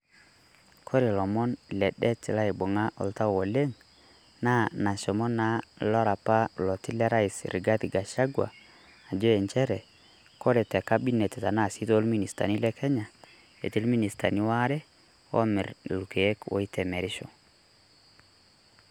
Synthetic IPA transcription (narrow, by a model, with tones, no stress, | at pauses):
kʰo˦ɾi˨lɔ˨mɔ˦nlɛ˨ɗɛ˦ti˨la˦i˨bo˨ŋa˦ʔɔ̰˨lta˦wo˨le˦ŋ | na˦na˨sɔ˨mɔ˦na˦lɔ˦ɾa˨pa˦lɔ˨ti˦lɛ˦ɾa˦i˨sɾi˨ɡa˦ti˨ɡa˨ʃa˦ɡwa̰ː˨ | d͡ʒo˦ɛ˨nt͡ʃɛ˦ɾɛ˨ | ko˦ɾɛ˨tɛ˨ka˦bi˦nɛ˨tɛ˨ta˨na˦˨si˦to˦lmi˦ni˨sta̰˨ni˦lɛ˦kʰɛ˦ɲa˨ | ḛ˨ti˦lmi˦ni˨sta̰˨ni˦wa˦ɾɛ˦ | ɔ̰˦mɪ˨ɾlu˨ke˨e˦kwo̰˨i˦tʰɛ˨me˨ɾi˦ʃo̰˨